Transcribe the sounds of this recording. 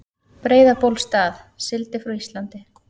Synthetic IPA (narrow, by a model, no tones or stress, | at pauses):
pɾeːjðapowlst̪aːθ | sɪlt̪ɪfɾawist̪lant̪ɪ